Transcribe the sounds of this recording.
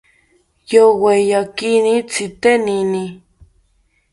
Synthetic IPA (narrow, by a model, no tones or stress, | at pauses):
jowejakinĩt͡sʰit̪enĩnĩ